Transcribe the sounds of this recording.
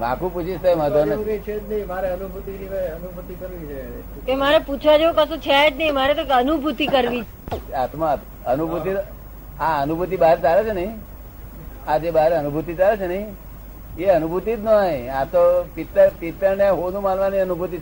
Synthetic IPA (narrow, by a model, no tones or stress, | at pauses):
mã̰kũput͡ʃʰiʃt̪ajməɦət̪onket͡ʃʰet̪nəɦĩmaɾeənubʱut̪iɾiʋeənubʱut̪ikəɾʋit͡ʃʰe | kemaɾeput͡ʃʰʋad͡ʒeũkəʃũt͡ʃʰaed͡ʒnəɦimaɾet̪okənubʱut̪ikəɾʋi | at̪ma | ənubʱut̪i | aənubʱut̪̬ibaɦɾt͡ʃalet͡ʃʰenəɦĩ | ad͡ʒebaɦɾeənubʱut̪it͡ʃalet͡ʃʰenəɦĩ | eənubʱut̪it̪nojat̪opit̪ːəɾpit̪ːəɾneɦonũmanʋaniənubʱut̪i